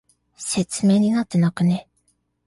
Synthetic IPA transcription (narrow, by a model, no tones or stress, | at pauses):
se̞t͡sɨme̞ːɲ̟inat̪ːe̞nakɯ̟ne̞